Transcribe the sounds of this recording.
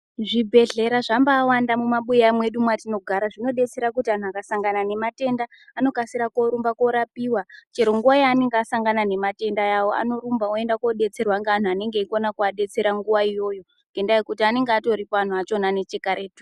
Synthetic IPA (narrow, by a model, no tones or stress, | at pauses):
ʐibʱe̞ɮe̞ɾaʐambaːwandamumaɓujamwe̞ɗumwatino̞ɡʱaɾaʐino̞ɗe̞t͡se̞ɾak̬utian̤uakasaŋɡanane̞mate̞ndaː | no̞kasiɾako̞ɾumbako̞ɾapiwat͡ʃe̞ɾo̞ŋɡuwajaːne̞ŋɡeasaŋɡanane̞mate̞ndajawo̞ʔa̰no̞ɾumbaoe̞ndako̞ɗe̞t͡se̞rwaŋɡean̤uane̞ŋɡeikonakuaɗe̞t͡se̞ɾaŋɡuʋaijo̞jo̞ | ŋɡe̞ndaikutiane̞ŋɡeato̞ɾipoan̤uat͡ʃo̞nane̞t͡ʃe̞kaɾe̞ːtu̥